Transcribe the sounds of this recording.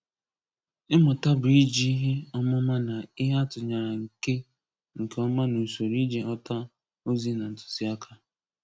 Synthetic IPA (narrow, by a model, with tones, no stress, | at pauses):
ɪ˦mʊ˨ta˦bi˦d͡ʒi˦ɦe˦ɔ˦mɔ˦ma˦na˨ɪ˦ɦa˦tʊ˨ɲa˨ɾa˨ŋ̩˨ke˦ | ŋ̩˨ke˨˦ɔ˦ma˦nu˨so˨ɾi˦d͡ʒe˨ʔɔ˦ta˦ | o˦zi˦na˨n̩˨tʊ̥˨si˦a˦kʰa˦